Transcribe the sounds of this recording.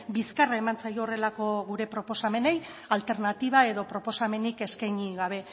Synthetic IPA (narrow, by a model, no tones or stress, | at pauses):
biskarae̞mant͡sajoore̞lako̞ɣuɾe̞pɾo̞po̞same̞ne̞j | alt̪e̞ɾnat̪iβ̞ae̞ðo̞pɾo̞po̞same̞nike̞skajɲiɣaβ̞e̞